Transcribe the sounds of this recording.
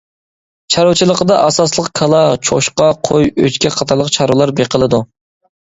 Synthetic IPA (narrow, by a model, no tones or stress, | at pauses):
t͡ʃʰɑɾuwt͡ʃʰilˠəqəd̪ɑʔɑsɑslˠəqkʰɑlˠɑt͡ʃʰoʃqɑqʰojø̰t͡ʃkʲɛqʰɑt̪ʰɑɾlˠəqt͡ʃʰɑɾulˠɑɾbeqʰəlˠɨd̪u